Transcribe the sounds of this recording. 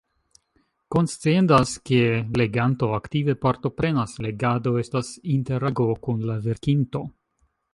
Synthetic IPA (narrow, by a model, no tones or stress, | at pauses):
ko̞nst͡sendaske̞le̞ɡanto̞aktive̞paɾto̞pɾe̞nasle̞ɡado̞e̞stasinte̞ɾaɡo̞kunlave̞ɾkinto̞